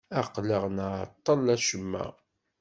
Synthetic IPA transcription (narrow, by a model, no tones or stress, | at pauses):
æqləʁnat̪ˤːɑlæʃəmːæ̰